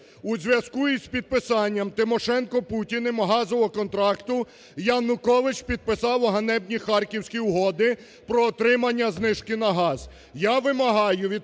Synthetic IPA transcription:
uzʲʋʲjɐskuizpʲid̪̚pɪsɑnʲːɐmt̪ɪmɔʃɛnkɔputʲinɪmɦɑzɔɔkɔnt̪ɾɑkt̪ʊ | janʊkɔʋɪt͡ʃpʲid̪̚pɪsɑwɦɐnɛbnʲixɑrkʲiwsʲkʲiʊɦɔd̪ɪ | pɾɔːt̪ɾɪmɐnʲːɐznɪʃkɪnɐɦɑz | jaʋɪmɐɦɑjʊʋʲid̪

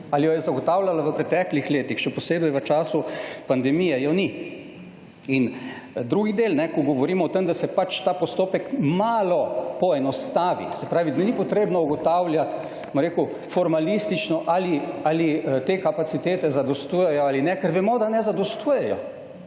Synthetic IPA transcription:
alijɔjɛzaɡɔt̪aːwlalaʋəpɾɛt̪ɛːklixleːt̪ixʃɛpɔseːbɛjʋət͡ʃaːsupand̪ɛmijɛjɔni | ind̪ɾuɡid̪eːlnɛkɔɡɔʋɔɾiːmɔɔt̪emd̪asɛpat͡ʃt̪aːpɔst̪oːpɛkmaːlɔpɔɛnɔst̪aːʋḭ̥sɛpɾaːʋid̪ɛnipɔt̪ɾeːbnɔuɡɔt̪aːwljat̪ | mɔɾeːku | fɔɾmalist̪it͡ʃnɔʔaːlialit̪eːkapasit̪eːt̪ɛzad̪ɔst̪uːjɛjɔaːlinɛkəɾʋɛmɔd̪anɛzad̪ɔst̪uːjɛjɔ̰

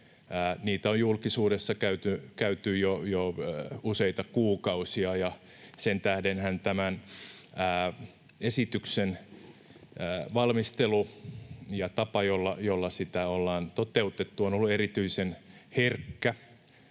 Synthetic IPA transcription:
æːniːt̪æojjulkisuːdesːɑkæyt̪ykæyt̪yjojouseit̪ɑkuːkɑusiɑjɑ | sent̪æhdenhænt̪æmænæː | esit̪yksen | ʋɑlmist̪elu | jɑt̪ɑpɑjolːɑjolːɑsit̪æolːɑːnt̪ot̪eut̪et̪ːuonolːuerit̪yisenherkːæ

